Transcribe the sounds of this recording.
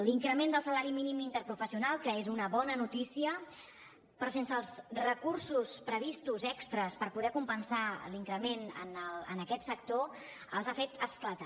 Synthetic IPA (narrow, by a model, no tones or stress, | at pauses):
liŋkɾəmend̪əlˠsəlaɾiminimint̪əɾpɾufəsiunalˠkəezunəβɔnənut̪isiə | pɾɔsensəːlˠzrəkuɾsuspɾəβ̞ist̪uzɛkst̪ɾəspəɾpuðɛkumpənsaliŋkɾəmenə̰nələ̰nəkɛt̪sək̚t̪o | əlˠzafet̪ʰəsklət̪a